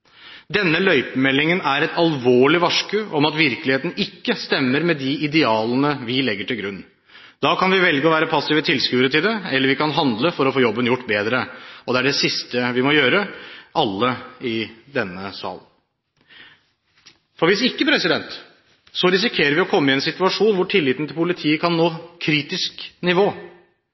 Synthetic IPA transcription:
d̪ɛnːəlœʏpəmɛlːɪŋənæɾɛt̪ɑlʋoːɭɪʋɑʂkəʔɔmɑt̪ʋɪɾklɪheːt̪n̩ɪkːəst̪ɛmːəɾmɛd̪ɪʔɪd̪ɛɑːlənəʋɪlɛɡːəʈɪlɡɾʉnː | d̪̥ɑːkʰɑnʋɪʋɛlɡəɔʋæːɾəpʰɑsːɪʋət̪ʰɪlskʉːɾət̪ɪld̪ɛɛlːəɾʋɪkɑnɦɑnd̪ləfɔɾɔfoːjɔbːənjʊʈːbeːd̪ɾəɔd̪ɛæɖɛsɪst̪əʋɪmɔjøːɾəʔɑlːəɪd̪ɛnːəsɑ̰ːlən | fɔɾʋɪsɪkːəpʰɾɛsɪd̪ɛnt̪ | sɔɾɪsɪkʰeːɾəɾʋɪɔkʰɔmːəɪɛnsɪt̪ʉɑʂuːnʋʊʈʰɪlːɪːt̪n̩t̪ʰɪlpʰʊlɪt̪ʰiːəkʰɑnːoːkʰɾiːt̪ɪsknɪʋoː

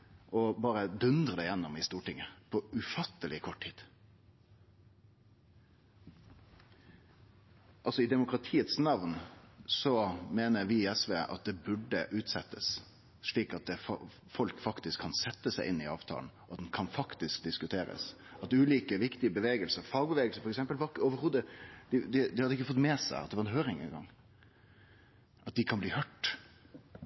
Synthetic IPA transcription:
ʔɔbɑːɾəd̪ʉnd̪ʁəd̪ɛjɛnːɔmɪst̪uːʈɪŋːəpʰɔʉfɑt̪ːəlɪkʰɔʈʰiːd̪̥ | ɑlsɔɪd̪ɛmʊkɾɑt̪ʰiːət̪snɑʋnsɔmeːnəɾʋɪɛsʋeːʔɑ̰t̪̚d̪ɛbʉɖəʔʉːt̪sɛt̪ːəs | ʂɭiːkɑt̪̚d̪ɛf | fɔlkfɑkt̪ɪskʰːɑnsɛt̪ːəsæɪʔɪnːɪɑːʋt̪ʰɑ̰ːln̩ɔɑt̪d̪ɛnkʰɑnfɑkt̪ɪsk̚d̪ɪskʉt̪ʰeːɾə̰s | ɑt̪ʉːliːkəʋɪkt̪ɪəbəʋeːɡəlsəɾfɑːɡ̚bəʋeːɡəlsəɾfɔɾɛksɛmpəlʋɑɾɪkːəoːʋəɾhuːd̪əd̪ɪd̪ɪd̪ɪhɑd̪ːəɪkːəfɔt̪ːmɛːsæ̰ɪɑ̰t̪d̪ɛʋɑɾɛnɦøːɾɪŋɛ̰nɡɑ̰ŋ | ʔɑt̪̚d̪ɪkʰɑnbliːhœʈː

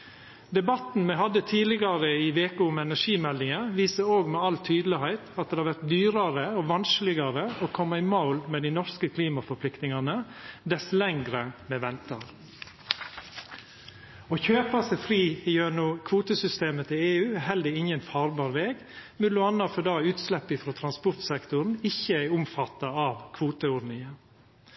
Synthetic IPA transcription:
d̪ɛbɑt̪n̩mɛɪɦɑd̪ət̪ʰiːlɪɡɑɾəɪʋeːkəʊmɛnæʂiːmɛld̪ɪŋəʋiːsəɾoːɡmɛɑlt̪ʰyːd̪lɪhæɪt̪ɑt̪̚d̪eːhɑɾʋæɾt̪̚d̪yːɾɑɾəoːʋɑnsklɪɡɑɾəoːkʰɔmːɑɪmaʊlmeːd̪ɪnɔɾskəkʰliːmɑfɔɾpʰlɪkt̪nɪŋɑnəd̪ɛslɛŋɡɾəmɛʋɛnt̪ɑɾ | oçøːpɑsɛfɾiːɪjøːnuːkʰʋuːt̪əsʏst̪eːmət̪ʰɪleːʉːɛhɛld̪əɪŋənfɑːɾbɑːɾʋeːɡ | mʉlʊɑnːɑfɔd̪ɑːʉːt̪slɛpːɪfɾoːt̪ʰɾɑnspʊɾt̪sɛkt̪ʊɾn̩ɪçːəæɪʊmfɑt̪ːɑɑʋkʰʋuːt̪əʊɖnɪŋən

